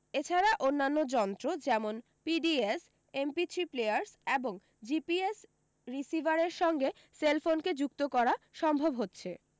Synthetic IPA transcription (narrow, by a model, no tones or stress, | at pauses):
et͡ɕʰaɾaʔonːanːod͡ʑɔnt̪ɾod͡ʑɛmon | piɖies | empitʰiplejaɾseboŋ | d͡ʑipies | ɾisivaɾeɾʃɔŋɡe | selfonked͡ʑuk̚t̪okɔɾaʃɔmbʱobɦotːɕʰe